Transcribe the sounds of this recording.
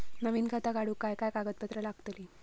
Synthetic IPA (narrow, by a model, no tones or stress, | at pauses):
nəʋiːnɡʱat̪aɡaɽuːkajkajkaɡət̪̚pət̪ɾəlaɡt̪liː